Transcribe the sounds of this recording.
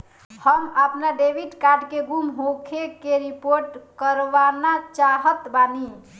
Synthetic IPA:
həməpnaɖebiɖkaɖkeɡumɦokʰekeɾipoɾʈkəɾʋanat͡ʃaɦət̪bani

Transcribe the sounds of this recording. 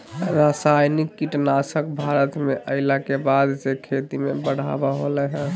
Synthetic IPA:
ɾasajnikːiʈnasəkbʱaɾət̪meʔəɪlakebad̪d͡ʒekʰet̪imebəɽ̤a̰baɦolɛɦɛ̃

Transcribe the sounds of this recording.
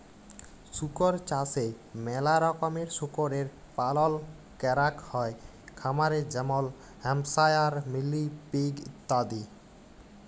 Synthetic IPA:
sukoɾt͡ɕase | mɛlaɾɔkomeɾsukoɾeɾ | palɔl | kɛɾakhɔe | kʰamaɾeɾd͡ʑɛmol | hɛmsajaɾmilːipiɡit̪ːad̪i

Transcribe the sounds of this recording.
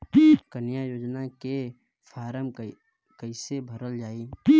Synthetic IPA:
kənjajoːd͡ʒnake | fʰaːɾəm | kəɪsebʱəɾəld͡ʒaːi

